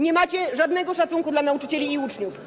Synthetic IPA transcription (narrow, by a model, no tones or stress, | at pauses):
ɲɛmat͡ɕɛʐad̪nɛɡɔʂat̪suŋkud̪lanaut͡ʂɘt͡ɕɛlʲiːut͡ʂɲuf